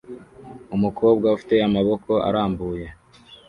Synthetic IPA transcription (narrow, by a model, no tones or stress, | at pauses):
umukʰo̞ːb̚ɡaufi̥te̞amaβo̞kʰo̞a̰ɾaːmbuːje̞